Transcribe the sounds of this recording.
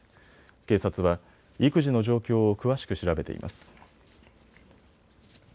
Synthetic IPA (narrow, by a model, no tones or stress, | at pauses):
ke̞ːsat͡sɨβa | ikɯ̟ʑino̞ʑo̞ːkʲo̞ːokɯ̟βaɕi̥kɯ̟ɕiɾabe̞t̪e̞̰ḭmʔa̰sɨ̥